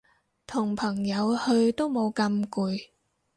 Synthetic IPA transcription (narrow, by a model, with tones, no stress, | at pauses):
t̪ʰʊ˨˩ŋpʰɐ˨˩ŋjɐ˨˧whɵ˧ɥt̪o˥wmo˨˧wkɐ˧mkuː˨˧j